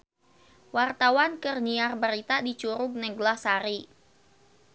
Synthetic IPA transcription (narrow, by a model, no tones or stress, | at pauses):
wart̪awankərniarbəɾit̪adit͡ʃuɾʊɡ̚nɛɡlahsaɾi